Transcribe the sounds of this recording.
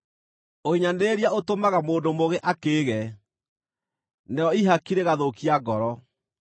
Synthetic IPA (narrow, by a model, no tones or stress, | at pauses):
oiɲaneɾiaotomaɣamoːndomoɣeʔakeːɣɛ | neɔiɦakiɾeɣaðokiaɡɔɾɔ